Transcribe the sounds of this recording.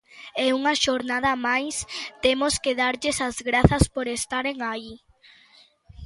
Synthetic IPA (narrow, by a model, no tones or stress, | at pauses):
ɛuŋɐʃoɾnað̞ɐmajst̪emoskeðaɾʎesɐzɣɾaθɐspoɾest̪aɾeŋai